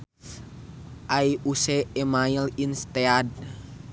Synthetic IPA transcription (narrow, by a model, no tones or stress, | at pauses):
ʔaiuseːmailinst̪ead̚